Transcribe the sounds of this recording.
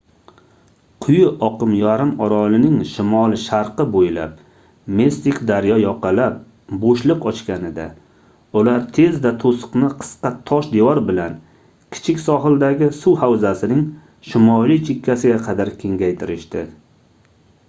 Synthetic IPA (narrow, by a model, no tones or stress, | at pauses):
qʰʊjʊʔɒqɨmjaɾɪmɒɾɒlɪnɪŋʃɪmɒlˠʃaɾqɨbojla̰p̚ | mest̪ɪkʲd̪aɾjɒjɒqʰɑlap̚ | boʃlˠɨqɒt͡ʃkʲanɪd̪a̰ | ʊlaɾt̪ʰe̞zd̪at̪ʰosɨ̥qnɪqʰɨ̥sqɑt̪ʰɒʃd̪ewɒɾbɪlan | kʲʰɪ̥t͡ʃʰɪkʲsɒɦɪld̪aɡʲɪsʊwhawzasɪnɪŋ | ʃɪmɒlˠit͡ʃʰɪkʰʲːasɪɡʲaqʰɑd̪aɾkʲʰe̞ŋɡʲajt̪ʰɪɾɪʃt̪ɪ